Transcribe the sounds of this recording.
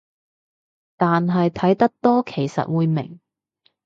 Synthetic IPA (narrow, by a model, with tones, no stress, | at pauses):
t̪aː˨nɦɐ˨jt̪ʰɐ˨˥jt̪ɐ˥k̚t̪ɔː˥kʰe˨˩jsɐ̰˨t̚wuː˨˧jmɪ˨˩ŋ